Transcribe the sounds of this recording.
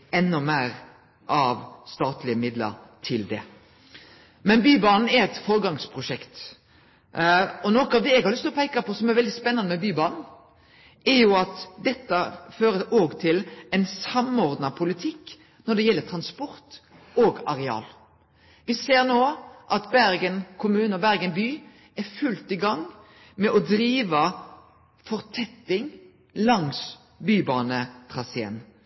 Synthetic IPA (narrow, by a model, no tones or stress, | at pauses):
ɛnːʊmæːɾ | ʔɑʋst̪ɑːt̪lɪəmɪd̪lə̰ɾt̪ʰɪld̪ɛ̰ | mɛnbyːbɑːnn̩ɛɾɛt̪fɔɾɡɑŋspʰɾʊʃɛkt̪ | ɔnoːkəɑʋd̪ɛɛɡhɑɾlʏst̪lɔpʰæɪkɑpʰɔsɔmɛɾʋɛld̪ɪspɛnːɑnəmɛbyːbɑːnn̩ | ɛɾjʊɑt̪d̪ɛt̪ːəføːɾəoːɡt̪ʰɪlɛnsɑmɔɾd̪nɑpʰʊlɪt̪ʰɪkː | nɔɖ̪ɛjɛlːət̪ʰɾɑnspɔɾt̪ | oːɡɑɾɛɑ̰ːl | ʋɪseːɾnoːʔɑt̪bæɾɡənkʰʊmʉːnəɔbæɾɡənbyː | æɾfʉlt̪ɪɡɑŋː | mɛʔɔd̪ɾiːʋə | fɔʁt̪ʰɛt̪ːɪŋ | lɑŋs | byːbɑːnət̪ʰʁɑsḛːn